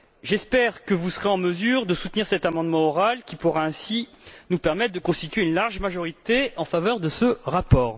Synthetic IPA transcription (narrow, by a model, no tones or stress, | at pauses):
ʒɛspɛʁkəvusəʁeɑ̃məzyʁd̪əsut̪niʁsɛt̪amɑ̃d̪mɑ̃ɔʁalkʲipuʁaɛ̃si | nupɛʁmɛt̪χ̚d̪əkɔ̃st̪it̪ɥeynlaʁʒmaʒɔʁit̪eɑ̃favœʁd̪əsəʁapɔːʁ